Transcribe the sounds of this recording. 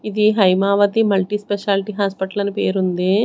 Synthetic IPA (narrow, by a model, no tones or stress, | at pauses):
id̪iɦɐjmaːʋɐt̪imɐlʈispeʃaːlʈiɦaːspɐʈɐlɐnipeːɾund̪i